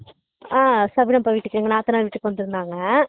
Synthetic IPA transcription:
aːsɐbɪnɐmpɐʋiːʈːɯkːɛŋɡɐnaːt̪ːɯnaːlʋiːʈːɯkːʋɐnd̪ɯɾɯnd̪aːŋɡɐ

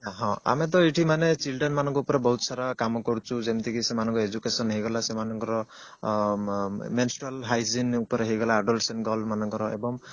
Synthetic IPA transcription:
ɦɔ̃a̰mɛt̪̬ɔiʈʰimanet͡ʃilɖenmanɔŋkɔupɔɾɛbɔɦut̪saɾakamɔkɔɾut͡ʃʰuzemt̪ʰikisɛmanɔŋkɔed͡ʒukesɔnɦejɡɔlasɛmanɔŋkɔɾɔ | mensʈɹalɦajzinupɔɾeɦejɡɔlaːɖɔlsenɡɔlmanɔŋkɔɾɔḛbɔŋ

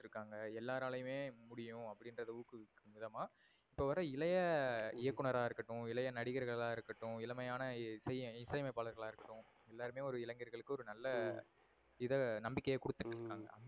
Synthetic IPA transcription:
ʈːɾɯkːaːŋɡɐɛlːaːɾaːlɐjɯmeːmʊɽɪjʊ̃ɐpːɐɽɪnɾɐðɐuːkɯkːɯmɪðɐmaː | ɪpːoːʋɐɾɐɪlɐjɐɪjɐkːɯɳɐɾaːɪɾɯkːɐʈːʊ̃ɪlɐjɐnɐɽɪɣɐɾɣɐɭɭaːɪɾɯkːɐʈːʊ̃ɪlɐmɐjaːnɐsɐjɪsɐjmɐɪpːaːlɐɾɣɐɭaːɪɾɯkːɐʈːʊ̃ | ɛlːaːɾɯmeːɔɾɯɪlɐŋɡɪɾɣɐɭɯkːɯɔɾɯnɐlːɐ | ɪðɐnɐmbɪkːɐjɐkʊɽɯt̪ːɯʈːɪɾɯkːaːŋɡɐ̰ɐ

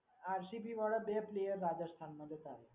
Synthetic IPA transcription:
aɾsipiʋɔɭəbeplejəɾːad͡ʑast̪ʰanməd̪ʱːet̪aɦe

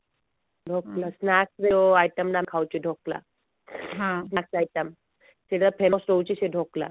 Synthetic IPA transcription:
ɖʱoklasnak̚sd͡zeoajʈəmɖamkʰawt͡ɕiɖʱokla̰ | ɦãsnak̚sajʈəm | siɽapʰemsɾowt͡ɕiɕeɖʱokla̰

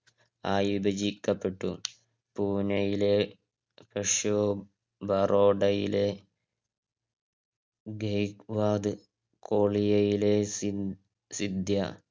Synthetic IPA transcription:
aːjibɐd͡ʑikːɐpːe̞ʈːṵ | puːnɐjile | peʂjoː | bɐrʔoːɖɐjḭle̞ | ɡejkʋaːd̪ɨ | kʰoːɭijɐjile | sid̪jɐ

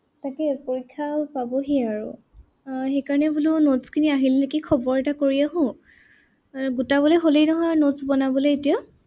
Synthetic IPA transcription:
takɛpoɹikʰːapabɔɦeaɹʊ̰ | xejkaɹɔnɛbulʊnotskʰiniaɦilnekikʰɔbɔɹɛtakoɹiaɦʊ̃ | ɡutaβɔlejɦolejnɔɦɔjanotsbɔnabɔleetija

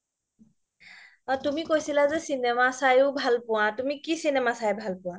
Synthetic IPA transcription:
atumikojsilazɛsinɛmasajʊbʱalpʊ̃watumikisinɛmasajbʱalpʊ̃wa

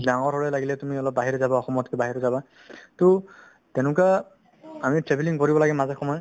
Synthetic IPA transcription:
daŋɔɹʱɔɹɛlaɡilɛtumiɔlɔp̚baɦiɹɛzabaɔxɔmɔtkɛbaɦiɹɔzaba | to | tɛnʊka | amitɹebʱiliŋkɔɹibɔlaɡɛmazakʰːɔmɔj

